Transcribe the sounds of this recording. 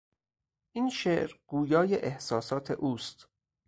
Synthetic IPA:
ʔiːnʃeːʔɾɡ̥uːjɒːjeʔehsɒːsɒːt̪ʰe̞̰ʔuːst̪

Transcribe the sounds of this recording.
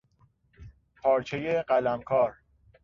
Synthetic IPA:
pʰɒːɾt͡ʃʰejeɢælæmkʰɒːɾ

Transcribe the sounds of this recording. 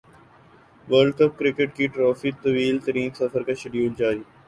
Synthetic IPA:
ʋəːɾɖkɐp̚kɾɪkeʈkiʈɾɔːfit̪ɐʋiːlt̪ɐɾiːnsɐfəɾkaʃɪɖjuːld͡ʒaːɾiː

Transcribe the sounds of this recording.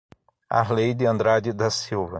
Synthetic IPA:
a̰ɦlejd̪ɪɐ̃nd̪ɾad͡ʒɪd̪ɐsiwvɐ

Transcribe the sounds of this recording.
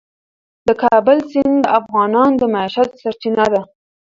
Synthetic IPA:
d̪əkɑbəlsɪnd̪əʔafɣɑnɑnd̪əmaiʃat̪saɾt͡ʃinad̪a

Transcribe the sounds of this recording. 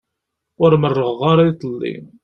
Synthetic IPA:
ʊɾmərːəʁʁaɾˤait̪ˤəlːḭn

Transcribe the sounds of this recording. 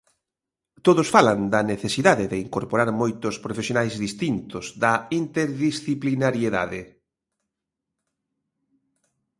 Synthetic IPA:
t̪oðosfaland̪ɐneθesiðaðeðɪiŋkoɾpoɾaɾmojt̪ʊspɾofesjonajzðist̪int̪ʊz̥ðɐint̪eɾðisθiplinaɾjeða̰ðɪ

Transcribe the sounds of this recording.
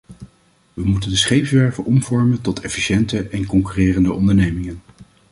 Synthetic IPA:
ʋəmutəndəsχejpsʋɛɹvəʔɔmv̥ɔɹməntɔtʰɛfiʃɛntəʔɛnkɔŋkyrɪːrəndəʔɔndəɹnejmɪŋən

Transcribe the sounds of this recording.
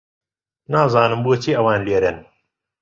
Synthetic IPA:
naːzaːnɨmbuɐt͡ʃʰiːɐwaːnleːɾen

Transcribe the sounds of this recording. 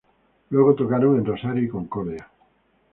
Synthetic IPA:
lweɣ̞ot̪okaɾoŋenrosaɾjuikoŋkoɾðea

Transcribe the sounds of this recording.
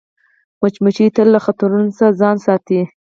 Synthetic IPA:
mat͡ʃmat͡ʃit̪əlːaxat̪aɾunosazɑnsɑt̪i

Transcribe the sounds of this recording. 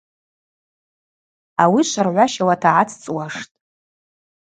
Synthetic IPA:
awiʃʷarʕʷaʃawatʰaʕat͡sʰt͡sʼwaʂtʼ

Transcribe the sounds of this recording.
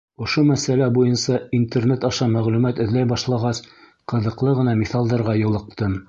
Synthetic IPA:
ŏʃomæsælæbujɤnsɑint̪ernet̪ɑʃɑmæʁlʉmæt̪ɵ̆ðlæjbɑʃlˠɑʁɑs | qɤ̆ðɤ̆qlˠɤʁɤ̆nɑmiθɑlˠd̪ɑɾʁɑjŏlˠɤ̆q̚t̪ɤm

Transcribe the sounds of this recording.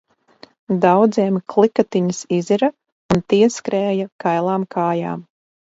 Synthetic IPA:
d̪awd̪ziɛmklˠikat̪iɲɨsiziɾɐ | unt̪iɛskɾɛːjakajlˠaːmkʰaːja̰ːm

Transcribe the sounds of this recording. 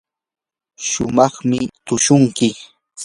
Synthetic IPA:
ʃʊmɑχmɪt̪ʊʃʊŋkɪ

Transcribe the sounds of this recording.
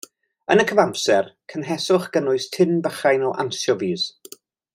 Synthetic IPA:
ənəkʰəvampsɛrkʰənɦɛsʊχɡ̥ənʊɨstʰɪnbəχajnɔʔa̰nsjɔviːz

